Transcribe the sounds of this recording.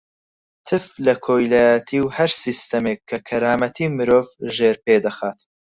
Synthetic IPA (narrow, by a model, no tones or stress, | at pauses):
t̪ʰɨflɐkʰoːjlaːjɐt̪ʰiːwhɐɾsiːst̪ɐmeːkʰːɐkʰɐɾaːmɐt̪ʰiːmɨɾoːvʒeːɾpeːd̪ɐxaːt̪